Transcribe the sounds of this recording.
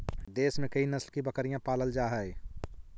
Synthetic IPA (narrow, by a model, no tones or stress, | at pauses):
d̪eːsmẽkɐinɐslkibɐkəɾijãpaːləld͡ʒaːɦɛe